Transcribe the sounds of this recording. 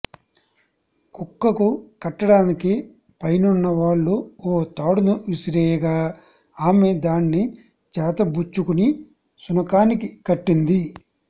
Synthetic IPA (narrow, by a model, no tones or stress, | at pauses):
kukːɐkukɐʈːɐɽaːniki | pɐjnunːɐʋaːɭːuoːt̪aːɽunuʋisiɾɛːjɐɡaː | aːmed̪aːnːi | t͡ʃaːt̪ɐbut͡ʃːukuni | sunɐkaːnikikɐʈːind̪i